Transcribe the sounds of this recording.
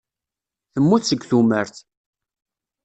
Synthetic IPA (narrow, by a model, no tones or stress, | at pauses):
θəmːuθsəɡθuməɾθ